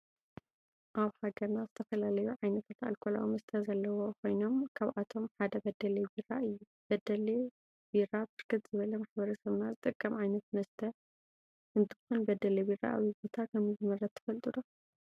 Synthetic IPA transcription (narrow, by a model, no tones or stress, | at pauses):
ʔaβħaɡɐɾnazɨt̪ʰɐfɐlalɐjuʕajnɐt̪ʰat̪a̰lkʰola̰wimɐst̪ʰɐzɐlːɐwokʰo̞jno̞mkʰaβʔat̪ʰo̞mħad̪ɐbɐd̪ɐlebiɾaɨjːu | b̥ɐd̪ɐle | biɾabɨɾkʰɨt̪z̥ɨβɐlɐmaħbɐɾɐsɐβnazɨt̪ʼɨkʼːɐmʕajnɐt̪mɐst̪ʰɐ | ʔɨnt̪ʰɨ̥xunbɐd̪ɐlebiɾa̰ʔa̰βibo̞t̪ʰakʰɐmɨzɨmɐɾɐt̪ʰːɐ̥fɐlt̪ʼɨd̪o